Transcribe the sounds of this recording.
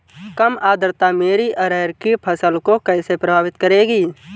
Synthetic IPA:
kəmaːd̪ʱəɾt̪ameːɾiʔəɾɛːɾkipʰəsəlkokɛːɪsepɾəbʱaːʋɪt̪kəɾeːɡiː

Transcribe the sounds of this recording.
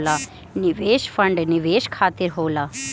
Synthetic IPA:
la | niʋeːʃfəɳɖniʋeːʃkʰaːt̪iɾɦoːlaː

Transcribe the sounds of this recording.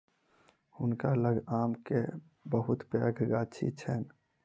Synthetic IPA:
hʊnkaləɡaːmke | bəɦʊt̪pə̰ːɡʱɡaːt͡ʃʰḭt͡ʃʰɛn

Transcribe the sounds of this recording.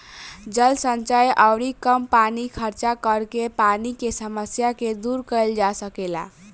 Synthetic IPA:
d͡ʒəlsənt͡ʃajʔəwɽikəmpanikʰəɾt͡ʃakəɾkepanikesəməsjaked̪uɾkəɪld͡ʒasəkela̰

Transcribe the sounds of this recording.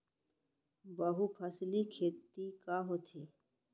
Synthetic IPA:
bəɦupʰəslikʰeːt̪ikaɦoːt̪ʰiː

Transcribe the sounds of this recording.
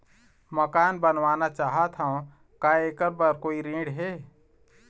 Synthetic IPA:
məkaːnbənʋaːnat͡ʃaːɦat̪ɦaõ | kaeːkəɾbəɾkoːiɾĩːɽɦeː

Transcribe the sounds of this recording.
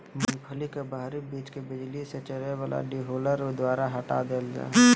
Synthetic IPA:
mənpʰəlikebaːɾibiːt͡ʃkebɪd͡ʒliset͡ʃəɾewaːla̰ɖiɦoːləɾd̪waːɾaɦəʈa̰d̪eːld͡ʒa̰ː

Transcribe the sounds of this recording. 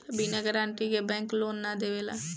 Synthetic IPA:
biːnaɡəɾãːɳʈiːɡebɛ̃ːŋkloːnːaːd̪eːʋeːlaː

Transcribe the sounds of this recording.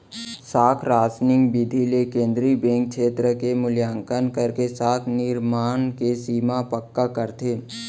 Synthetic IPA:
saːkʰɾaːsnɪŋɡbɪd̪ʱilekẽːnd̪ɾibẽːŋk̚ʃeːt̪ɾəkemʊljaːŋkənkəɾkesaːk̪ʰnɪɾmaːnkesiːmapəkːakəɾt̪ʰeː

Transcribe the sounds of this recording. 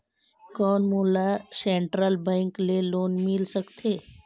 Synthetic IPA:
kɔːnmuːlaseːɳʈɾəlbɛ̃ːŋkleloːnmɪlsəkt̪ʰeː

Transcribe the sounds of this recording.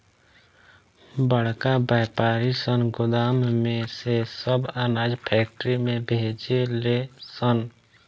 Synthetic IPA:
bəɽ̤kabaːpaːɾisənɡʊd̪aːmmẽsesəbənaːd͡ʒpʰɛːk̚ʈɾimẽbʱed͡ʒelesən

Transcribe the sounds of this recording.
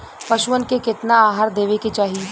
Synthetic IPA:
pɐʃʊʋənkekɪt̪naaːɦaːɾd̪eːʋeket͡ʃaːɦi

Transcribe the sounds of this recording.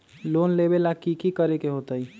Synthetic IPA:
loːnlebelakikikəɾekeɦoːt̪əi

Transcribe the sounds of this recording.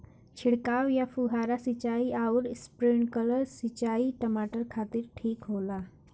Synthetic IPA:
t͡ɕʰiɽkawjafuɦaɾasit͡ɕaiʔauɾspɾiɳkələɾsit͡ɕaiʈəmaʈəɾkʰat̪iːɾʈʰiːkɦola

